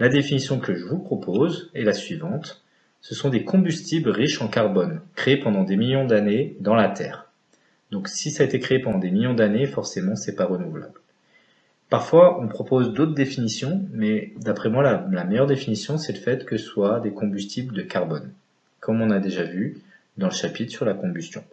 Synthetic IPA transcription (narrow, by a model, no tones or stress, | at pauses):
lad̪efinisjɔ̃kəʒəvupχɔpʰozɛlasɥivɑ̃t̪ | səsɔ̃d̪ekɔ̃byst̪iblʁiʃɑ̃kaʁbɔnkχeːpɑ̃d̪ɑ̃d̪emiljɔ̃d̪aned̪ɑ̃lat̪ʰɛ̰ːʁ | d̪ɔ̃ksisaːet̪ekχeːpɑ̃d̪ɑ̃d̪emiljɔ̃d̪anefɔʁsemɑ̃sɛpaʁənuvla̰bl | paʁfwaʔɔ̃pχɔpozd̪ot̪χd̪efinisjɔ̃mɛd̪apχɛmwalalamɛjœʁd̪efinisjɔ̃sɛləfɛt̪kəswad̪ekɔ̃byst̪ʰibld̪əkaʁbɔn | kɔmɔ̃nad̪eʒavy | d̪ɑ̃ləʃapit̪χsyʁlakɔ̃byst̪jɔ̃